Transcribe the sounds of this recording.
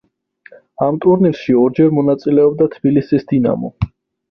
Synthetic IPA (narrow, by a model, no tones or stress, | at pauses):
amt̪ʼuɾniɾʃiɔɾd͡ʒɛɾmɔnat̪sʼilɛɔbd̪at̪ʰb̥ilisisd̪ina̰mɔ̰